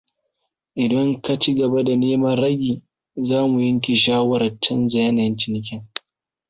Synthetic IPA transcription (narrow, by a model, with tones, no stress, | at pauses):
ʔɪ˨dɐ˦ŋka˦t͡ʃi˦ɡɐ˨ba˦da˨neː˦mɐ˦nɽɐ˦ɡʲiː˨ | zaː˦mu˨jɐ˦ŋk̬ʲi˨ʃaː˦wɐ˦ɾɐ˨t͡ʃːɐ˦nzɐ˨jɐ˦na˨jnt͡ʃɪ˨nɪ˨k̬ʲɪ˦ŋ